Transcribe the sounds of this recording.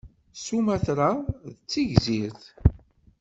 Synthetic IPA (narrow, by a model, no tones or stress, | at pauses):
sumæθɾaðət͡sːiʝziɾθ